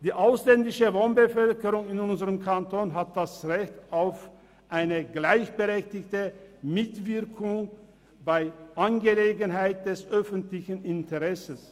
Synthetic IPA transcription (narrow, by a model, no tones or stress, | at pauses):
d̥iːʔaʊslɛndɪʃəvoːnbəfœlkəʁʊŋɪnʊnzəʁəmkʰantʰoːnɦat̚d̥asʁɛçtaʊf | ʔaɪnəɡlaɪçb̥əʁɛçtɪçtəmɪtv̥ɪɐkʰʊŋ | baɪʔanɡəleːɡən̩ɦaɪt̚d̥ɛsʔœfntlɪçən̩ɪntʰəʁɛsəs